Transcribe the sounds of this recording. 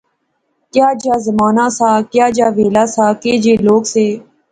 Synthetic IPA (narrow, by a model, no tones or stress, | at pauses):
kjaːd͡ʒaːzəmaːnaːsaːkjaːd͡ʒjaːʋeːlaːsaːkeːd͡ʒeːloːkseː